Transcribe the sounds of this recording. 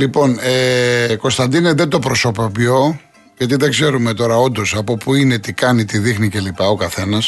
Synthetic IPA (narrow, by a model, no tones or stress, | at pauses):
lipo̞neko̞st̪ɐnd̪ineðe̞d̪o̞pɾo̞so̞pɐpço̞ | ʝɐt̪iðeɡze̞ɾume̞t̪o̞ɾɐo̞nd̪o̞sɐpo̞puine̞t̪ikɐnit̪iðixnice̞lipɐo̞kɐθe̞nɐs